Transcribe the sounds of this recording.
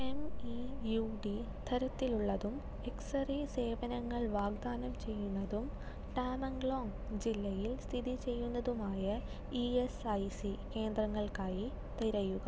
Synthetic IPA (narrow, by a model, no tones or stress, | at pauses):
emijuːɖi | d̪̥ʰʱɐɾɐt̪ːiluɭːɐðum | eksɐriseːʋɐnɐŋːɐɭʋaːɡ̚d̪aːnɐmt͡ɕe̞jːunːɐðum | ʈaːmɐŋɡɭoːŋ | d͡ʑilːɐjilst̪ʰiðit͡ɕe̞jːunːɐðumaːjɐ | iesɐjsike̞ːnd̪rɐŋːɐɭkaːji | t̪iɾɐjuɣɐ